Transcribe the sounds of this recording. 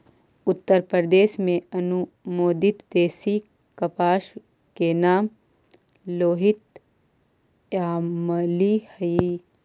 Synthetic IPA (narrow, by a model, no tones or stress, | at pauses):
ʊt̪ːəɾpɾɾd̪eːʃmẽɐnu | moːd̪ɪt̪d̪eːsi | kɐpaːʃ | kenaːm | loːɦɪt̪ | aːməlihɐi